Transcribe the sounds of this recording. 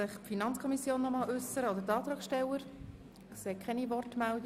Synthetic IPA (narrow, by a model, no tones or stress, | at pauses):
ɪχpfinɑnt͡skʰɔmisjoːnːɔmɑːlʉsəɾəɔd̪əɾtɑːt̪ʁɑːksʃtɛləɾ | kseːkχɛnivɔrtmæld